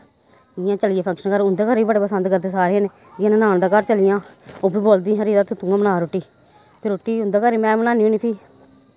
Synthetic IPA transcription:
d͡ʒɪjãːt͡ʃəlɪeːpʰə̃ŋkʃənkəɾʊnd̪eːkəɾiːbəɖeːpəsənd̪kəɾd̪eːsaːɾeãneː | d͡ʒɪãːnẽnaːnd̪aːkəɾt͡ʃəlɪjãːoːbiːboːld̪ĩːɦəɾiːɾaːt̪ʊt̪ːʊɡãːmənaːɾoʈːiː | pʰɪɾʊʈːiːʊnd̪aːkəɾiːmɛ̃ːmənaːnioːniːpʰiː

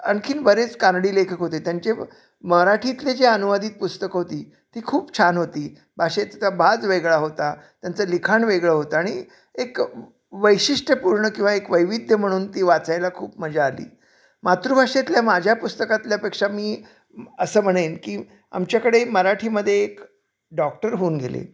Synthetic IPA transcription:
ə̰ɳkʰiːnbəɾet͡skanɽiːlekʰəkɦot̪et̪jaɲt͡ɕe | məɾaʈʰit̪led͡ʑeənuʋəd̪iːt̪̚pust̪əkɦot̪iː | t̪iːkʰuːpt͡ɕʰanɦot̪iː | bʱaʂet̪t̪abʱad͡zʋeɡɭaɦot̪at̪jant͡səlikʰaɳʋeɡɭəɦot̪aaɽ̃i | ek | ʋəjɕiʂʈəpuɾɳəkĩw̃ʋaekʋəjʋid̪ʱjəm̤əɽ̃uːnt̪iːʋat͡sajlakʰṵːpməd͡zaːlḭː | mat̪ɾuːbʱaʂet̪ljamad͡ʑʱjapust̪əkat̪ljapekʂamiː | əsəːm̤əɽ̃enkiː | a̰mt͡ɕjakəɽeməɾaʈʰiːməd̪ʱːjeːk | ɖɔk̚ʈəɾɦoːnɡʱḛlḛ

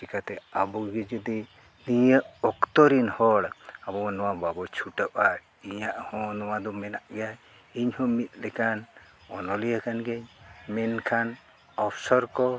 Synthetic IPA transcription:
ikat̪ɛabɔɡɛd͡ʒəd̪i | nijəʔɔkt̪ɔɾinhɔɽabɔanɔ̃wababɔt͡ʃʰuʈəpaɾ | iɲaʔhɔ̃nɔwad̪ɔmɛnaʔɡɛaj | iɲhɔ̃mit̪̚ˀlɛkan | ɔnɔlijakanɡɛɲmɛnkʰan | ɔpʰsɔɾkɔ

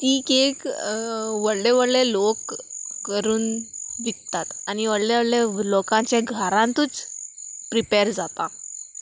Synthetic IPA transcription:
t̪iːkek | ʋəɽleʋəɽlelokː | əɾuːnʋikt̪at̪aniʋəɽleʋəɽlelokãɲt͡ɕãɡʱəɾãnt̪uːt͡s | pɾipeɾd͡zat̪a

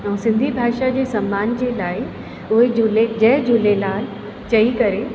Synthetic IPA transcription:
ɛ̃ũsɪ̃nd̪ʱibʱaːʃad͡ʑeːsɐmːaːnd͡ʑeːlaːi | ʊɦed͡ʑʊled͡ʑɐɦd͡ʑʊlelaːɪ | t͡ɕɐikɐɾe

